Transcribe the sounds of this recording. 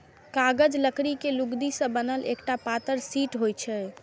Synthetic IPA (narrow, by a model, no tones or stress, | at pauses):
kaɡəd͡ʒləkɾikeluɡd̪isə̃bənəlḛkʈapat̪əɾsiʈɦojt͡ʃʰɛ